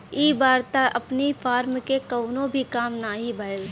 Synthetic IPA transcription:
iːbaːɾt̪aɐpnifʰaːɾmkekɐʊnõbʱikaːmnaɦibʱaəl

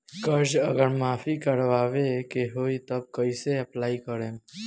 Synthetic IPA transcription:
kəɾd͡ʒəɡəɾmafikəɾʋaʋekeɦoit̪əb̚kəiseəplaikəɾem

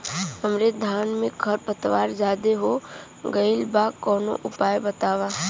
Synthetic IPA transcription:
ɐmɾed̪ʱaːnmẽɡʰɐɾpət̪ʋaːɾd͡ʒaːd̪eɦo | ɡɐɪlbaːkɔːno̰ʔʊpaːjbɐt̪aːʋaː

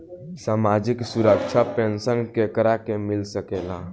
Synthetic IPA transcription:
saːmad͡ʒɪksuɾəkt͡ʃʰapẽnsənkekəɾakemɪlsəkela̰

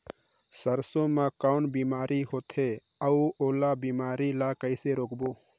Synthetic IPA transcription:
səɾsõmãkaʊnbiːmaːɾiɦoːt̪ʰe | əuoːlabiːmaːɾilakəɪseɾoːkboː

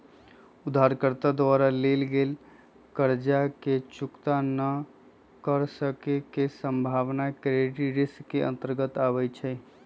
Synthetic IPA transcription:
ud̪ʱːaɾkəɾt̪ad̪waɾalelɡel | kəɾd͡ʒaket͡ʃukt̪anə | kəɾsəkekesəmbʱaʋnakɾeʈiɖiskeʔə̰̃nt̪əɾɡət̪aβəjt͡ʃʰɛ

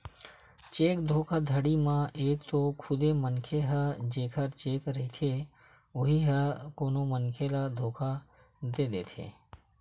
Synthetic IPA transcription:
t͡ʃeːkd̪ʱokʰad̪ʱəɽimãʔekt̪okʰʊd̪emənkʰeɦəd͡ʒekʰəɾt͡ʃekɾəɦit̪ʰe | oɦiɦəkonomənkʰelad̪ʱoːkʰa | d̪ed̪ḛːt̪ʰḛ

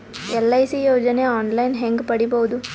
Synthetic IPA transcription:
ɛlːɐjsijoːd͡ʒɐneaːnlɐjnɦeŋɡpɐɽiboʋud̪u

